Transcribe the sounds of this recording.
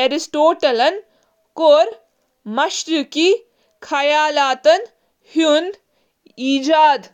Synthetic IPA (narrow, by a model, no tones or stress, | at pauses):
eɾisʈoːʈɐlɐn | koːɾ | mɐʃɾuki | kʰɐjaːlaːt̪ɐn | hun | iːd͡ʒaːd̪